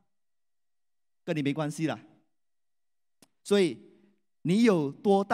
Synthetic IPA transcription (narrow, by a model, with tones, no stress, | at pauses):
kə˧˦ni˨mẽ˨˦kwa˦nsi˦la˨ | swɔ˦i˨ | nĩ˨˦jo˨˩ʊt̪wɔ˦t̪a